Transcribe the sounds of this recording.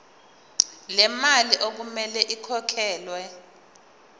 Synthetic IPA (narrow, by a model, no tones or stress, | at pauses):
lɛmaliʔok̬umɛlɛʔikʰɔkʰɛːlwɛ